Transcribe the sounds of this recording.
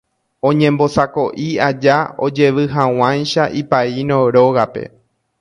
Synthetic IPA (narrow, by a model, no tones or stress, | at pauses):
õ̞ɲẽ̞mbo̞sako̞ʔiad͡ʒao̞̰d͡ʒe̞ʋɨɦãw̃ãjʃaʔipainõɾoɣape̞̰